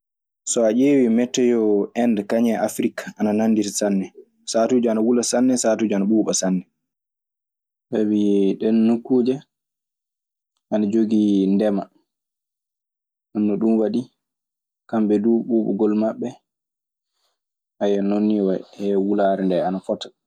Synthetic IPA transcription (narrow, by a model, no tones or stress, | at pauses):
sɔaʔeːwimɛtːɛjɔɛndkaɲɛʔafɾikḁanananːditasanːɛ | saːtud͡ʒɔanawulasanːɛsaːtud͡ʒɔanaɓuːɓasanːɛ | ɓawiɗɛnːukːuːd͡ʒɛ | anad͡ʒoɡindɛma | ʔanːɔɗumwaɗi | kamɓɛduɓuɓɔ̰ɡɔlmaɓːɛ | ʔajɛnonːiwahɛwulaːɾɛndɛanafɔtḁ